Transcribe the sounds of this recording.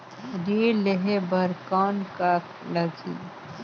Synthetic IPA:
ɾileɦebəɾkaːnkak | ləd͡ʒḭ

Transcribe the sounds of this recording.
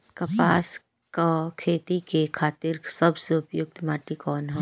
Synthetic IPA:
kɐpaːs | kakʰeːt̪ikekʰaːt̪iːɾsɐbseʊpjʊk̚t̪maːʈikɔːnɦɛ

